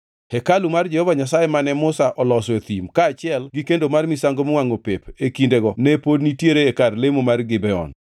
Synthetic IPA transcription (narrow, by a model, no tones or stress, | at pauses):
hɛkalumard͡ʒɛhɔvaɲasajemanɛmʊsaʔɔlɔset̪imkaːt͡ʃɪɛlɡikendomarmisaŋɡomwaŋopepekindeɡɔnɛpodnitjeɾeekarlemomarɡɪbɛɔ̰n